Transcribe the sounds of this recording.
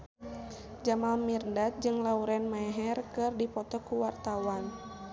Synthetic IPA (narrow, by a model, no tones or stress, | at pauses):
d͡ʒamalmirndat̪̚d͡ʒɨŋlauɾɛnmaɛɦɛrkɨrdipɔt̪ɔkuwart̪awan